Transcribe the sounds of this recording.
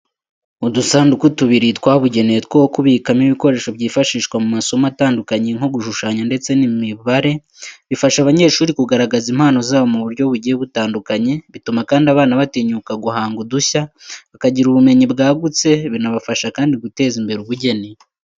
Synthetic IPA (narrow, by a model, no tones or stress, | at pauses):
udusaːndukutuβiɾitwaːβuɟe̞nejetkwowokuβiːkamiβiko̞ɾe̞ːʃo̞bɟiːfaʃiːʃkwamumaso̞mataːndukaɲeŋoɡuʃuʃaːɲande̞t͡se̞nimiβaɾe̞ | βifaʃaβaɲe̞ːʃuːɾikuɡaɾaɡazimhaːno̞zaːβomuβuɾjɟo̞βuɟijeβutaːndukaɲe̞βitumakaːndiaβaːnaβatiɲukaɡuhaːŋɡuduçaβakaɟiɾuβume̞ɲibɡaːɡut͡se̞βinaβafaʃakaːndiɡute̞ːzimbe̞ɾuβuɟe̞ni